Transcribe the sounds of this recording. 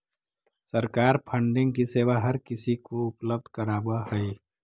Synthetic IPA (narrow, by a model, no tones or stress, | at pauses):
səɾkaːɾpʰə̃ɳɖɪ̃ŋɡkiseːʋaɦɐɾkɪsikoʊpləb̚d̪ʱkɐɾaːbahɛe